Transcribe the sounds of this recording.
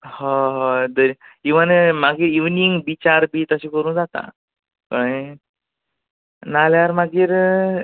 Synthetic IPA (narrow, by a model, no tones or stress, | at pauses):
hɔɦd̪əɾiiʋanmaɡiːɾiʋniŋɡbit͡ɕaɾbiːt̪əɕekəɾuːnd͡zat̪a̰ | pəɳ | naljaɾmaɡiːɾ